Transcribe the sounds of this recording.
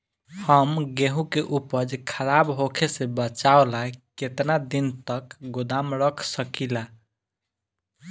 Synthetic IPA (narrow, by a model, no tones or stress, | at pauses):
həmɡeɦũkeʔupəd͡ʒkʰəɾabɦokʰesebət͡ʃaolaeket̪nad̪int̪əkɡod̪amɾəkʰsəkila